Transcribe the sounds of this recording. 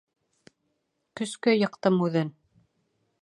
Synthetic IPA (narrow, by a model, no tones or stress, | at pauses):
kɵ̆skæjɤ̆qt̪ɤmʉðɘn